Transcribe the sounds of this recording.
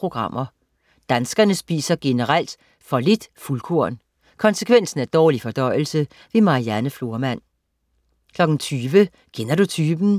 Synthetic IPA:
pʁo̝ɡ̥ʁɑ̈m̰ʔɐ | d̥ænsɡ̥ɐnəsb̥ḭːsɐɡ̥e̝nəʁal̰d̥ | fɒ̽le̝d̥fulkʰo̝ɐ̰n | kʰɒ̽nsəkʰʋen̰sn̩æɐd̥ɒːlifɒ̽d̥ɒ̽ɪ̰l̩sə | ʋe̝mɑ̈ʁiænəflo̝ɐmæn̰ | kʰlɒ̽ɡ̥n̩t͡sʰyːʋə | kʰenɐdut͡sʰyːb̥n̩

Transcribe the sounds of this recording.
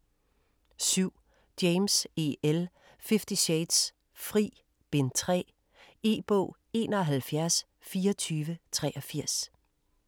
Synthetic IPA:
syʊ̰ | d̥eɪmse̝el | fefd̥iɕeɪd̥s | fʁḭː | b̥e̝nt͡sʰʁɛ̰ː | e̝̰ːb̥ɔ̰̽ː | e̝̰ːnɒɦælfjæɐs | fiːɐt͡sʰyːʋət͡sʰʁɛʔɐfiɐ̰s

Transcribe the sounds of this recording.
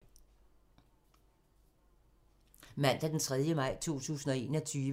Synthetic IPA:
mæn̰d̥æd̥ent͡sʰʁɛð̞ˠjəmɑ̈ɪ̰t͡sʰo̝̰ːt͡sʰṵːsn̩ɒ̽e̝̰ːnɒt͡sʰyːʋ

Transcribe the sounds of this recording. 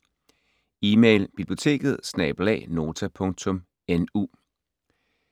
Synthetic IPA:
iːmeɪlb̥ib̥lijo̝t͡sʰe̝̰ːɡ̥ð̞̩ˠsnɛːb̥lɛ̰ːno̝ːt͡sʰæpʰɔ̽ŋt͡sʰɔ̽m | enṵː

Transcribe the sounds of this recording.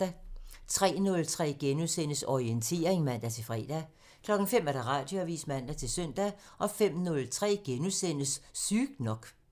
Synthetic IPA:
æt͡sʰʁɛ̰ːnɔ̽lt͡sʰʁɛ̰ːɡ̥enusen̰əsɒient͡sʰe̝̰ːɐʁeŋmæn̰d̥æt͡sʰe̝lfʁɛ̰ːd̥æ | kʰlɒ̽ɡ̥ŋ̩fem̰æɐɾ̥ɑ̈ʁɑ̈d̥joæʋḭːsmæn̰d̥æt͡sʰe̝lsœn̰d̥æʔɒ̽fem̰nɔ̽lt͡sʰʁɛ̰ːɡ̥enusen̰əssyːɡ̥nɒ̽ɡ̥

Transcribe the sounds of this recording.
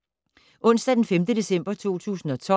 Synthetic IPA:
ʔɔ̽n̰sd̥æd̥enfemd̥əd̥e̝sem̰b̥ɐt͡sʰo̝̰ːt͡sʰṵːsn̩ɒ̽t͡sʰɒ̽

